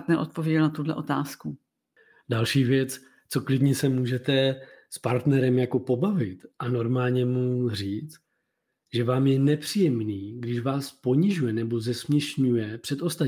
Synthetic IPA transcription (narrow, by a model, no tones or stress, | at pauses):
t̪nɛɾʔot̪povjɛɟɛlnat̪udlɛ̰ʔot̪aːsku | dalʃiːvjɛt͡s | t͡so̞klɪdɲɛsɛmuːʒɛt̪ɛspaɾt̪nɛɾɛmjako̞po̞bavɪt̪ʔano̞ɾmaːlɲɛmur̝iːt͡st | ʒɛvaːmjɛnɛpr̝̥iːjɛmniːɡdɪʃvaːspo̞ɲɪʒujɛnɛbo̞zɛsmɲɛʃɲujɛpr̝̥ɛt̪ʔo̞st̪a